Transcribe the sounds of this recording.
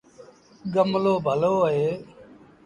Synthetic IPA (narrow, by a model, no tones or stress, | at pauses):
ɡəmloːbʱəloːɦeː